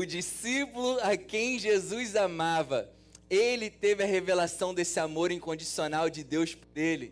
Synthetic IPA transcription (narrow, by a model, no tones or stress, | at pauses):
ʊd͡ʒisipulʊakẽj̃ʒezujzamavɐ | elɪt̪evɪɐɦevelasɐ̃w̃d̪esɪamoɾẽkõd͡ʒisionawd͡ʒɪd̪ewspoɾelɪ̰